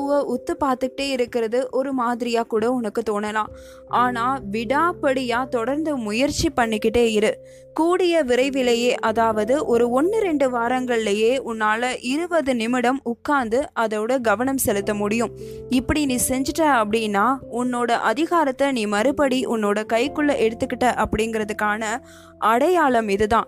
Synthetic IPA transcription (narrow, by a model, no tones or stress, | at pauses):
ɯʋɐʔʊt̪ːɯpaːɾt̪ɯkɪʈːeːɪɾɯkːɪɾɐðɯʔɔɾɯmaːðɪɾɪjaːkuːɽɐʊnɐkːɯt̪oːnːɐlãː | ʔaːnaːʋɪɽaːpɐɽɪjaːt̪ɔɽɐɾnd̪ɯmʊjɐɾt͡ʃːipːɐɳːɪkːɪʈːeːɪɾɯ | kuːɽɪjɐʋɪɾɐɪʋɪlɐjeːʔɐðaːʋɐðɯʔɔɾɯɔnːɯɾɛɳɖɯʋaːɾɐŋɡɐɭɪlɐjeːʔʊnːaːlɐʔɪɾɯʋɐðɯnɪmɪɽɐmʊkːaːnd̪ɯʔɐðɐɽɐɡɐʋɐnɐmsɛlɯt̪ːɐmʊɽɪjɯm | ɪpːɐɽiniːsɛɲd͡ʒɯʈraɐpːɐɽɪnːaːʊnːoːɽɐʔɐðɪɣaːɾɐt̪ːɐniːmɐɾɯpɐɽiʔʊnːoːɽɐkɐɪkːɯɭːɐʔɛɽɯt̪ːɯkːɪʈːɐʔɐpːɐɽɪŋɡɪɾɐðɯkːaːnɐ | ʔɐɽɐjaːɭɐmɪðɯt̪ãː